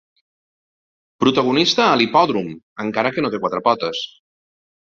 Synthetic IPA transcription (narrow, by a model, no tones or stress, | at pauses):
pɾut̪əɣunist̪əːlipɔðɾum | əŋkaɾəkənot̪ekwat̪ɾəpɔt̪əs